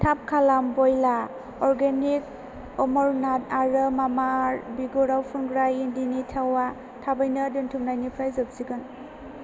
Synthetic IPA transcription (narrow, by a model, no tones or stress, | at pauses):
tʰap̚kʰalambɔjla | ɔɾɡenik̚ | ɔmɔɾnat̚aɾɯmamaɾbiɡɔɾawpʰunɡɾajindinitʰawa | tʰabajnɯduntʰumnajnipʰɾajzɔp̚siɡɯn